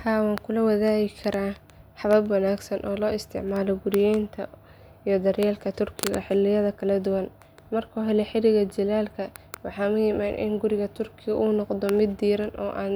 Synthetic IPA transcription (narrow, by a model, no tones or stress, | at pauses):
haːwaːŋkʰʊlɐwɐðaːɣɪkʰɐɾaː | ħɑβɐbwɐnaːɡsɐnʔɔːlɔːɪst̪ʰɪ̰ʕmaːlɔɡʊɾɪjɛjnt̪ʰɐ | ijɞd̪ɐɾjɛːlkʰɐt̪ʰʊrkʰɪɣɐ̰ħɪlːɪjɐðɐkʰɐlɐd̪ʊwɐn | mɐrkʰuːɦɛlɛjħɪlɪɣɐd͡ʒɪlaːlkʰɐwɑħɑːmʊjɪmaːnʔɪ̰nɡʊɾɪɣɐt̪ʰʊrkʰɪɣɐʔuːnɔqd̪ɔmɪd̪ːiːɾɐnʔɔ̰ːʔa̰ːn